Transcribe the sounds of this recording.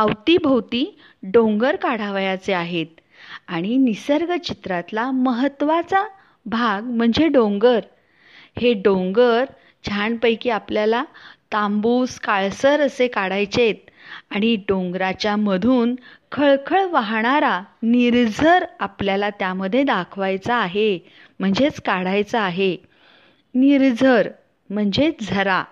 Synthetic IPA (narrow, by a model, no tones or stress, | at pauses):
əwt̪ibʱəwt̪iː | ɖõŋɡəɾkaɽ̤aʋjat͡seaɦet̪̚ | aɽ̃inisəɾɡət͡ɕit̪ɾat̪laməɦət̪ːʋat͡sa | bʱaɡm̤əɳd͡zeɖõŋɡəɾ | heɖõŋɡəɾ | d͡ʑʱaɳpəjkiapljalat̪ambuskaɭsəɾəsekaɽajt͡ɕet̪̚aɽ̃iɖõŋɡɾat͡ɕjaməd̪ʱuːnkʰəɭkʰəɭʋaɦɳaɾaniɾd͡zʱəɾapljalat̪jaməd̪ʱːjed̪akʰʋajt͡saːɦe | m̤əɳd͡zet͡skaɽajt͡saːɦe | niɾd͡zʱəɾ | m̤əɳd͡ʑed͡zʱəɾa